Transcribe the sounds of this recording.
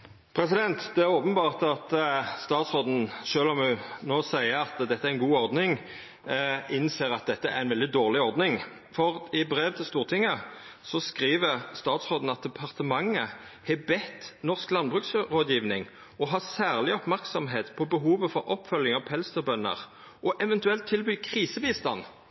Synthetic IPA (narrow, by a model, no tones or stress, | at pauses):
pʰɾɛsɪd̪ɛnt̪d̪ɛæʁoːpənbɑːʁt̪ɑt̪st̪ɑːt̪sʁoːd̪n̩ʃøːlɔmʉnoːsæɪəɾɑt̪d̪ɛt̪ːəæɾɛnɡuːɔʁd̪nɪŋ | ʔɪnseːɾɑt̪̚d̪ɛt̪ːəæ̰ɾɛnʋɛld̪ɪd̪oːʁlɪɔɾd̪nɪŋ | fɔʁɪbɾeːʋt̪ʰɪlst̪uːʁt̪ʰɪŋːəsɔskʁiːʋəʁst̪ɑːt̪sʁoːd̪n̩ɑt̪̚d̪ɛpʰɑʁt̪əmɑŋːəhɛbɛt̪ːnɔʁsklɑnbʁʉːksʁoːd̪jiːʋnɪŋ | ɔɦɑsæːʁlɪɔpmæʁksɔmɦeːt̪pʰɔbəɦuːʋəfɔɾɔpːfœljɪŋɑʋpʰɛlst̪əbœnːə̰ʁ | ʔɔʔɛʋɛnt̪ʉɛlt̪ʰːɪlbyːkʰʁiːsəbiːst̪ɑnː